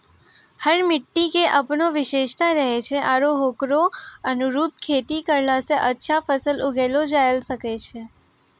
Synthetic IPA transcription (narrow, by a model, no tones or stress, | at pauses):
həɾmɪʈːikeʔəpɳoʋɪʃeʃt̪aɾəɦet͡ʃʰeʔaɾoɦokɾoənuɾup̚kʰet̪ikəɾlaseʔətːʃʰafəsəlʊɡelod͡ʒajəlʃəket͡ʃʰe